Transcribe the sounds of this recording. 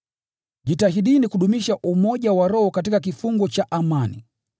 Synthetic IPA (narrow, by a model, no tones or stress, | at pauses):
ʄitahiɗinikuɗumiʃaʔumɔʄawaɾɔhɔkat̬ikak̬ifuŋɡɔt͡ʃaʔamanḭ